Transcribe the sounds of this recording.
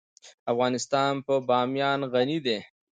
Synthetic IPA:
afɣɑːnɪst̪ɑnpəbɑmjɑnɣanid̪e

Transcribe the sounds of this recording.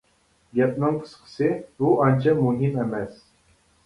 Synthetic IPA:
ɡʲɛp̚nɨŋqʰɨ̥sqʰə̥sɨbuʔɑnt͡ʃʰɑmuɦimɛmɛs

